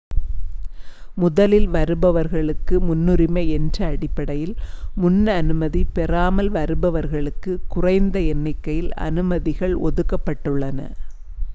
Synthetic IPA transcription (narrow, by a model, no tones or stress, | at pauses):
mʊðɐlɪlʋɐɾɯbɐʋɐɾɣɐɭɯkːɯmʊnːɯɾɪmɐɪɛndrɐːɽɪpːɐɽɐjɪlmʊnːɐnɯmɐðipɛraːmɐlʋɐɾɯbɐʋɐɾɣɐɭɯkːɯkʊrɐɪnd̪ɐɛnːɐɪkːɐjɪlɐ̰nɯmɐðɪɣɐɭɔðɯkːɐpːɐʈːɯɭːɐnɐ̰